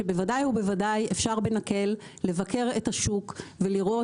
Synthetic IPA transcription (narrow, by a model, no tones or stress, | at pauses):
ebe̞vadajhube̞vadajefʃaʁbe̞nake̞lː | e̞vake̞ʁe̞taʃukve̞liʁo̞